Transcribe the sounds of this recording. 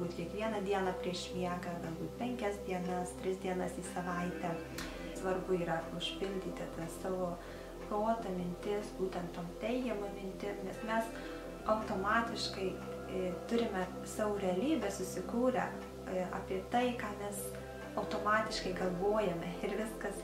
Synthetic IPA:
buːt̪ʲkʲiɛkʋʲiɛnɐd̪ʲiɛnɑpʲɾʲiɛʃmʲiɛkɐɡɐlˠbuːt̪̚pʲɛŋʲkʲɛsd̪ʲiɛnɐst̪ʲɾʲɪsd̪ʲiɛnɐsiːsɐʋɐɪt̪ʲɛ | sʋɐrbʊiːɾɐʊʃʲpʲɪlʲd̪ʲiːt̪ʲɪt̪ɐsɑːʋoː | pɾoːt̪ɐmʲɪnʲt̪ʲɪsbuːt̪ʲɛnt̪t̪oːmt̪ʲɛɪɡʲɛmomʲɪnʲt̪ʲɪmnʲɛsmʲɛs | ɐʊt̪oːmɑːt̪ʲɪʃkɐɪ | t̪ʊɾʲɪmʲɛ | sɑːʋoːɾʲɛɐlʲiːbʲɛsʊsʲɪkuːɾʲɛ̰ | ɑ̰ːpʲiɛt̪ɐɪkɑːmʲɛs | ɐʊt̪oːmɑːt̪ʲɪʃkɐɪɡɐlˠʋoːjɛmʲɛɪɾʋʲɪskɐs

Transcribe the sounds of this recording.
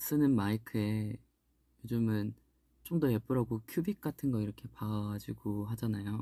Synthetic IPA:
s͈ɯnɯnmaikʰɯe̞ | jod͡ʑɯmɯn | t͡ɕ͈oŋdʌjep͈uɾaɡokʰjubik̚k͈atʰɯnɡʌiɾʌkʰe̞pad͡ʑiɡoɦad͡ʑanajo

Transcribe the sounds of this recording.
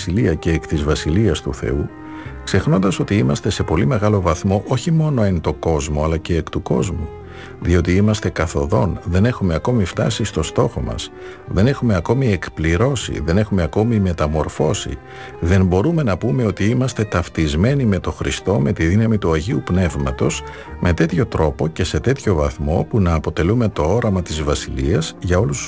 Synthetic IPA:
iliɐce̞ːkt̪izvɐsiliɐst̪ṵθe̞̰u | kse̞xno̞nd̪ɐso̞t̪iimɐst̪e̞se̞po̞lime̞ɣɐlo̞vɐθmo̞ʔo̞çimo̞no̞ent̪o̞ɡo̞zmo̞ɐlɐce̞ːkt̪uko̞zmu | ðio̞t̪iimɐst̪e̞kɐθo̞ðo̞nðe̞ne̞xume̞ɐko̞mift̪ɐsist̪o̞st̪o̞xo̞mɐ̰s | ðe̞ne̞xumeɐko̞mie̞kpliɾo̞sḭðe̞ne̞xume̞ɐko̞mime̞t̪ɐmo̞ɾfo̞sḭ | ðe̞mbo̞ɾume̞nɐpume̞o̞t̪iimɐst̪e̞t̪ɐft̪izme̞nime̞t̪o̞xɾʔist̪o̞me̞t̪iðinɐmit̪uɐʝiupne̞vmɐt̪o̞z̥ | mʔe̞t̪e̞t̪ço̞t̪ɾo̞po̞ce̞se̞t̪e̞t̪ço̞vɐθmo̞punɐːpo̞t̪e̞lume̞t̪o̞o̞ɾɐmɐt̪izvɐsiliɐzʝɐo̞lus

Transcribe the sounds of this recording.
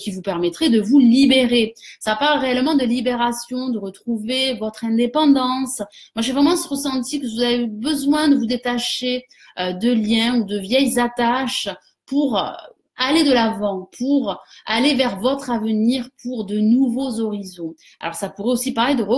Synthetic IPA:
kʲivupɛʁmɛt̪χɛd̪əvulibeʁesapaʁlʁeɛlmɑ̃d̪əlibeʁasjɔ̃d̪əʁət̪χuvevɔt̪χɛ̃d̪epɑ̃d̪ɑ̃smwaʒevʁɛmɑ̃ʁəsɑ̃t̪ikəvuzavebəzwɛ̃d̪əvud̪et̪aʃe | ød̪əljɛ̃ud̪əvjɛjzat̪aʃ | puʁ̰ | aled̪əlavɑ̃pʰuʁalevɛʁvɔt̪χavəniʁpʰuʁd̪ənuvozɔʁizɔ̃ | a̰lɔ̰ʁsapuʁɛosipaʁled̪əə

